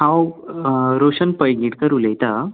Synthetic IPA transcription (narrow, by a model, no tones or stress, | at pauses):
hãw | ɾoɕənpəjɡiʈkəɾulejt̪a